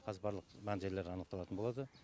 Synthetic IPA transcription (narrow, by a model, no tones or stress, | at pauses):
qʰɑzəbɑɾlˠəqbɑnʒeɾle̞ɾɑnəqt̪ɑlˠɑt̪ənbo̞lˠɑd̪ə